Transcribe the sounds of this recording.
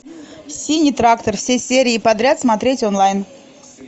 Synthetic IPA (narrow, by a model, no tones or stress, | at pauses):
sʲinʲijt̪ɾakt̪ərfsʲesʲeɾʲɪːpɐd̪ɾʲat̪smɐt̪ɾʲetʲonlˠajn